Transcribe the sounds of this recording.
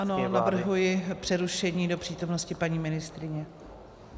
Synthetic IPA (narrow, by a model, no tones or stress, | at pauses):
anonavr̩ɦujɪpr̥ɛɾuʃɛɲiːdo̞pr̥iːt̪o̞mno̞scɪpaɲiːmɪnɪst̪ɾɪɲɛ